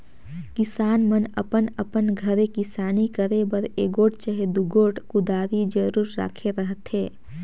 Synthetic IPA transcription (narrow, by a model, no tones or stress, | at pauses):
kɪsaːnmənə̰pənəpənɡʱəɾekɪsaːnikəɾebəɾeːɡoːʈt͡ʃəɦed̪uɡoːʈkʊd̪aːɾid͡ʒəɾuːɾːa̰ːkʰeɾəɦət̪ɦeː